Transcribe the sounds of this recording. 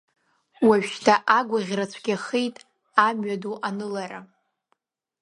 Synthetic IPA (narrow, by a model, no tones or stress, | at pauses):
waʒᶣʃtʰaʔaɡʷaʁʲrat͡ɕʷʰɡʲaχejtʼ | amɥaduʔanɨlaɾa̰